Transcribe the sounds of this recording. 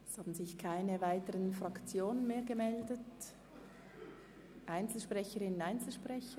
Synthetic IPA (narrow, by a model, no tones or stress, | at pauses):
shɑːbn̩zɪçkʰaɪnəvaɪtəʁənfʁɑkt͡sjoːnənmeːɐɡəmɛldət | ʔaɪnt͡sl̩ʃpʁɛçəʁɪnənaɪnt͡sl̩ʃpʁɛçə